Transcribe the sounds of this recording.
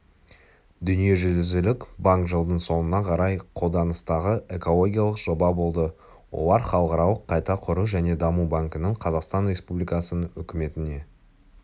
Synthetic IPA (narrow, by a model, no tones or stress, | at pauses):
d̪ʏnije̞ʒʏlɪzɪlɪkbaŋkʒəlˠd̪əɴso̞nənɑqʰɑɾɑjqʰo̞lˠd̪ɑnəst̪ɑʁəe̞ko̞lˠo̞ɡʲijalˠəqʒ̥o̞bɑbo̞lˠd̪ə | wo̞̰lˠɑɾχɑlˠəqɑɾɑlˠəqʰːɑjt̪ɑqʰʊɾuʒæne̞d̪ɑmubaŋkənəɴqʰɑzɑqst̪ɑnɾʲe̞spublijkɑsənəɵkʲɪme̞t̪ɪne̞